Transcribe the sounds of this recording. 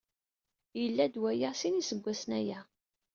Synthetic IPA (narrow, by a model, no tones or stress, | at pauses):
jəlːæd̪wæjasinisəɡʷːæsənæjæ